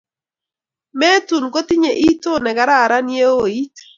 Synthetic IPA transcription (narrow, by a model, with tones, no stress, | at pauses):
mɛ˦tu˨nko˦t̪i˦ɲe˨ʔi˦to˦nɛ˨ka˦ɾa˦˨ɾa˦nje˦o˨i˦t